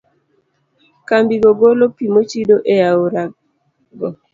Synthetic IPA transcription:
kambiɡoɡolopimot͡ʃidoʔejaoɾa | ɡɔ

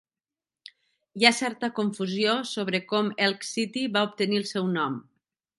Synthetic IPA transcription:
jasɛɾt̪əkuɱfuzjosoβɾəkɔmɛlˠksit̪iβaup̚t̪əniəlˠsɛwnɔm

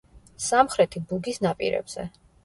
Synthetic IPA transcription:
samχɾɛt̪ʰibuɡisnapʼḭɾɛ̰b̥z̥ɛ̰

